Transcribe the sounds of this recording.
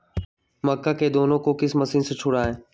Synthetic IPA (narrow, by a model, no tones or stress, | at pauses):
məkːaːkeːd̪oːnõkokɪsməsiːnset͡ʃʰʊɽaːɦeː